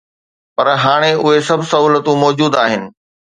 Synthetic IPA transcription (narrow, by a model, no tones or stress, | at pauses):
pɐɾɦaːɽ̃eʔʊɦesɐbʱsɐɦuːlət̪ũmɔːd͡ʑuːd̪aːɦɪnɪ̆